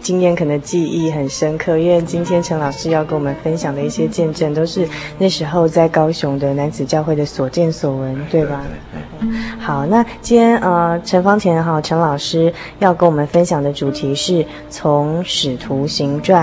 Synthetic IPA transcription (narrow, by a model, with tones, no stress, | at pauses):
t͡ɕi˥ŋjɛ˥˩nkʰɤ˨˩nə˧˦ŋt͡ɕi˥˧i˥˩xə˨˩nʂə˥ŋkʰɤ˥˧ɥɛ˥˧nt͡ɕi˥nt̪ʰjɛ˥nʈ͡ʂʰə˧˥ŋlɑ˨˩ʊʂɻ̩˥jɑ˥˩kə˧˥wɔ˨˩mə˨˦nfə˦˥nɕjɑ˨˩ŋd̪ə˩i˥˩ɕjɛ˥t͡ɕjɛ˥˧nʈ͡ʂə˥˩nt̪o˥ʊʂɻ̩˥˧na˥˩ʂɻ̩˧˥xo˥˧ʊt͡sa˥˩ɪkɑ˥ʊɕʊ˧˥ŋd̪ə˧na˧˦nt͡sɹ̩˨˩t͡ɕjɑ˥˧ʊxwe˥˩ɪd̪ə˩swɔ˨˩t͡ɕjɛ˥˩nswɔ˨˩wə˧˦˥nt̪we˥˩ɪba˨˩˥ | xɑ˨˩ʊna˥˩t͡ɕi˥njɛ˥nə˧˩ʈ͡ʂʰə˧˥nfɑ˥ŋt̪ʰjɛ˧˥nxɑ˨˩ʊʈ͡ʂʰɤ˧˥ŋlɑ˨˩ʊʂɻ̩˥ | jɑ˥˩ʊkə˧˥nwɔ˨˩mə˨nfə˥nɕjɑ˨˩ŋd̪ə˦ʈ͡ʂu˨˩t̪ʰi˧˥ʂɻ̩˥˩ | t͡sʰʊ˧˥ŋʂɻ̩˨˩t̪ʰu˧˥˦ɕi˧˥ŋʈ͡ʂwa˥˩